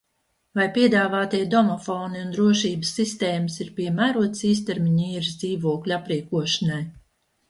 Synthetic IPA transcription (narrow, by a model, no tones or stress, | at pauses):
vajpiɛd̪aːvaːt̪iɛd̪ɔmɔfɔːniund̪ɾuɔʃiːbəsːist̪eːməsiɾpiɛmæːɾuɔt̪siːst̪eɾmʲiɲiːɾzd̪iːvuɔklʲapɾiːkuɔʃanaj